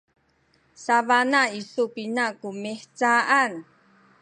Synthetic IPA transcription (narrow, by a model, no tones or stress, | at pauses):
saβanaisupinakumiħt͡saʔan